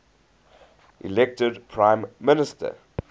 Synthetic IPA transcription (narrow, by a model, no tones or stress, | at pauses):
ʔḭlɛk̚tədpʰɹãɪ̃mːɪnɪstə̰